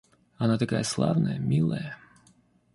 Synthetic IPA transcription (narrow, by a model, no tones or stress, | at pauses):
ɐnat̪ɐkajəslˠa̰vnəjəmʲilˠəjə